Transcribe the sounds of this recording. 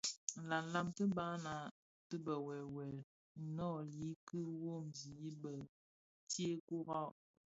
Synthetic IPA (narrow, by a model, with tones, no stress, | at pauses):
la˨la˦˨mtə˦ba˦na˨ | tə˦bə˨wɛ˨wɛ˨l | nɔ˦˨li˨˦kɨ˦wo˦˨mzi˨i˦bə˨ | tje˦ku˦ɣa˦˨